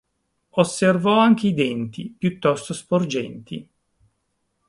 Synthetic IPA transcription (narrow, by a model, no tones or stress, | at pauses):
osːervɔaŋk̟eid̪ɛnt̪ipjut̪ːɔst̪ospord͡ʒɛnt̪ʰḭ